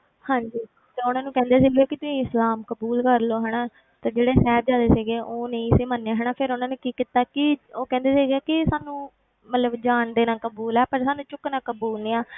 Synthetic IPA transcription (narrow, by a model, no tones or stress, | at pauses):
hãːɲd͡ʒiː | t̪eʊnãːnũːkɛ̃ːnd̪eːsiːɡeːkɪt̪ʊsĩːɪslaːmkəbuːlkəɾloːɦɛːɽaː | t̪eːd͡ʒeːɽeːsɛːb̚d͡ʒaːd̪eːseːɡeːʔoːnə̃ĩːsiːmənːãːɦɛːɳaːpʰɪɾʊnãːnũːkiːkit̪aːkɪoːkɛ̃ːnd̪eːseːɡeaːkɪsaːnũː | mət̪ləbd͡ʒaːɳd̪eːnãːkəbuːlɛːpəɾsaːnũːt͡ʃʊknãːkəbuːlnĩːãː